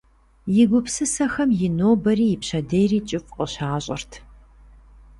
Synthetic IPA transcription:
jɪɡʷʊpsɨsɐxɐmjɪnoːbɐɾiːjɪpɕɐdejriːt͡ʃʼɪfʼqʼɔɕaːɕʼɪ̰rtʰ

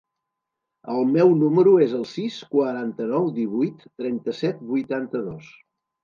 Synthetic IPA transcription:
əlˠmɛwnuməɾuezəlˠsiskwəɾant̪ənɔwd̪iβ̞ujt̪ːɾɛnt̪əsɛt̪̚bujt̪ant̪əðos

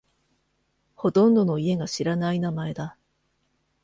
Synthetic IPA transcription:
ho̞t̪õ̞nd̪o̞no̞ie̞ɡaɕiɾanainamae̞d̪a

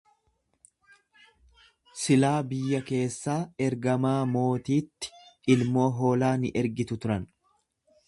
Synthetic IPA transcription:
sɪlaːbɪjːɐke̞ːsːaːɛɾɡɐmaːmo̞ːt̪iːt̪ːɪ̥ɪlmo̞ːɦo̞ːlaːnɪʔɛɾɡɪt̪ʊt̪ʊɾɐn

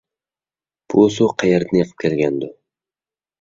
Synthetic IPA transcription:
b̥ʊsoqʰɑjeɾd̪anjɨqʰɨ̥p̚kʲʰelɡʲand̪ʊ

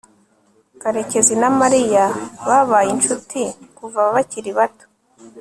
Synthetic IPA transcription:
kaɾe̞ce̞zinamaɾijaβaβajint͡ʃutikuvaβaβaciɾiβato̥

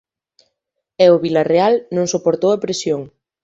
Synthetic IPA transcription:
ɛʊβilarealnõŋsopoɾt̪owɐpɾesjoŋ

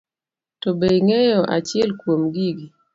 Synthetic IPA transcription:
tɔbejŋɛjɔʔa̰t͡ʃɛlkwomɡiɡi

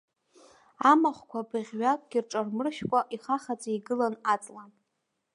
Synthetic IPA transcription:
amaχʷkʷʰabɨʁʲɥakʷʼɡ̥ʲirʈ͡ʂʼarmɨrʃkʷʼaʔiχaχat͡sʼaiɡɨlanat͡sʼlan

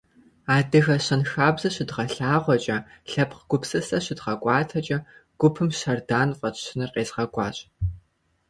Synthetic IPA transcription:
aːdɨɣɐɕɐnxaːbzɐɕɪdʁɐɬaːʁʷɔt͡ʃʼɐɬɐpqɡ̥ʷʊpsɨsɐɕɪdʁɐkʷʼɑːtʰɐt͡ʃʼɐɡ̥ʷʊpʰɨmʃɐrdaːnqʷʼɔtɕɪnɨrqeːzʁɐɡʷʼɑ̰ːɕʼ

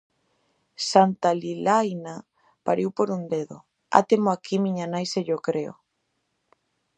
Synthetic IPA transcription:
sant̪alilajna | pa̰ɾiwpoɾund̪eðo̰ | a̰t̪emoakʰimiɲanajseʎokɾeo̰

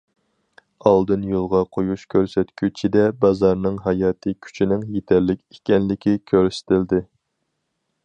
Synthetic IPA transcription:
ɑlˠd̪ɨnjolˠʁɑqʰojuʃkʲʰøɾsɛt̪kʲyt͡ʃʰid̪ɛbɑzɑɾnɨŋɦɑjɑːt̪ʰɨkʲʰy̥t͡ʃʰinɪŋjet̪ʰɛɾlɪkʲe̥kʲɛnlɪkʲikʲʰøɾsɪ̥t̪ɪld̪ɪ

